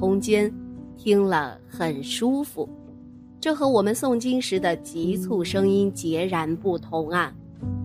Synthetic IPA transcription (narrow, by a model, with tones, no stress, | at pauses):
ʊ˥ŋt͡ɕjɛ˥nt̪ʰi˥ŋlə̰˧ | xə˨˩nʂu˥fṵ˨˩ | ʈ͡ʂɤ˥˩xɤ˧˥wɔ˨˩mə˦nsʊ˥˩ŋt͡ɕi˥ŋʂɻ̩˧˥d̪ə˧t͡ɕi˧˥t͡sʰu˥˩ʂɤ˥ŋi˥nt͡ɕjɛ˧˥ɻa˧˥npu˥˩t̪ʰʊ˧˥ŋa˥˩n